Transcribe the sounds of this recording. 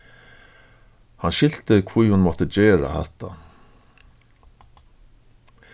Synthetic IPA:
hanɕɪl̥t̪ɪkʰvujhʊnmɔt̪əd͡ʑɛːɾa̰hɛ̰ht̪ːa̰

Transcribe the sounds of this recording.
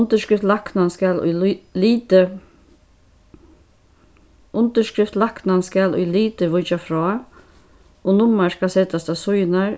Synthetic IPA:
nt̪əʃkɾɪft̪laknanskalʊ̰liːt̪ə | ʔʊnt̪əʂʃkɾɪft̪laknanskalʊ̰jliːt̪əʋʊt͡ʃafɾɔː | onʊmːaʂkasɛːt̪ast̪asʊjnaɹ

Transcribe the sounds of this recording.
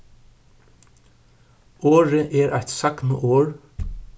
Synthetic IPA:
oːɹəʔeːɾʔæ̰ɪt̪sɑkmo̰ːʔoːɹ

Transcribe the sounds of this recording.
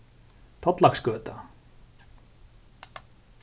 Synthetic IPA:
t̪ʰɔt̪laxskœːt̪a

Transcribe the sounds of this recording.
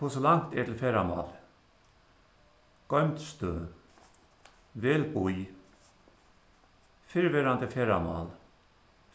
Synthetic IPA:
oːsolaŋt̪ɛʈ̪ʰɪlfeːɾamɑ̰ːl | ɡ̥ɔʏmt̪st̪øː | ʋeːlbuj | fɪɹʋeːɾand̪əfeːɾamɑ̰ːl

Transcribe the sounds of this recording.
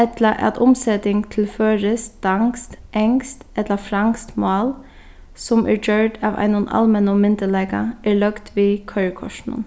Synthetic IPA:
ɛt̪ləʔɑ̰t̪ʰʊmsɛt̪ɪŋt̪ʰɪlføːɾəsd̪̥ɑŋst̪ʔɛŋst̪ɛt̪ləfɾɑŋst̪mʊɑːl | sɔmʔæ̰ːd͡ʒøːʈɑ̰ːʋʔæ̰ɪnʊnɑ̰lmɛnɔmɪnd̪əlɛːɡɑ̰ʔæːɭœɡt̪ʋiːkʰœʏɹkʰɔ̰ʂnʊ̰n

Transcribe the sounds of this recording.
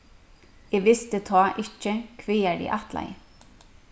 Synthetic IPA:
eːʋɪst̪ət̪ʰɑːʔɪcəkʰʋeːæɖḭʔɑt̪læ̰ɪ

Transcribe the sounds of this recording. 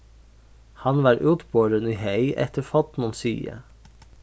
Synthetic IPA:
hɑnʋɑːɾʔʉːt̪boːɾəniːhœɪʔɛ̰t̪əfɔt̪mɔnsy̰ːə̰

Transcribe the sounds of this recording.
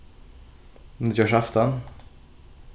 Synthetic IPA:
d̪jœːʂaft̪ən

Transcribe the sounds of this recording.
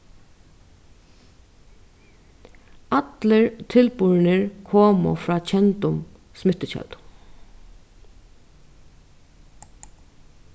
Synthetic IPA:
at̪ləɹt̪ʰɪlpʊɹnɪɹkʰoːmʊ̰fɾɑːt͡ʃʰɛnt̪ʊm | smɪt̪ɪt͡ɕɛ̰lt̪

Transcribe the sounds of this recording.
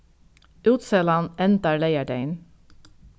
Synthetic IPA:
ʉːt̪sɛlɑnɛnt̪ɑlæɪæɖeɪn

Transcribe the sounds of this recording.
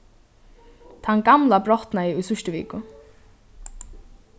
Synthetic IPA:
t̪ʰanɡamlabɾɔht̪naɪujsʏʃt̪ɪvḭːkʊ

